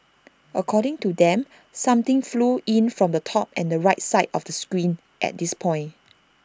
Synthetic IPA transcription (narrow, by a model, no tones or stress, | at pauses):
ʔəkʰɔɾɪ̃ŋtudɛ̃m | sãmt̪ɪ̃ŋfluʔĩnfɹɔ̃mdətʰɔp̚ɛ̃ndəɹaɪt̚saɪdɔfdəskɹĩn | ʔɛ̰t̚dispʰɔ̃ɪ̃n